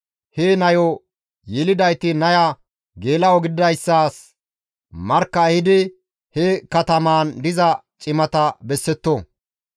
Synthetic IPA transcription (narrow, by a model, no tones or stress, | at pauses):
henɐjɔ | jɛlɪd̪ɐjt̪ɪnɐjɐ | ɡe̞ːlɐwɔɡɪd̪ɐjsːaːs | mɐɾkːɐːhɪd̪ɪ | hɛkɐt̪ɐmaːnd̪ɪzɐ | t͡ʃʼɪmɐt̪ɐbɛsːɛt̪ːo